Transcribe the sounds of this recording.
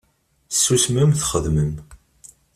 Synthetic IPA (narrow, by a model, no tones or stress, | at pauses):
sːusmæmθχəðməm